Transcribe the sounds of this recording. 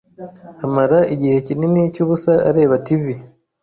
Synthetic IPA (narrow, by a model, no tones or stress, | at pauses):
amaɾaʔiɟihe̞cininicuːβusaa̰ɾe̞ːβativi